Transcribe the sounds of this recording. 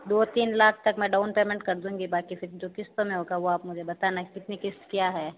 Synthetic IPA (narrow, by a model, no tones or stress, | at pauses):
d̪oːt̪iːnlaːkʰt̪ɐkmɛ̃ːɖaːʊnpeːmɛ̃ɳʈ̚kɐɾd̪ũːɡibaːkifʰɪɾd͡ʒoːkɪst̪õmẽɦoːɡaʋoaːpmʊd͡ʒʱebɐt̪aːnakɪt̪nikɪst̪kjaːɦɛː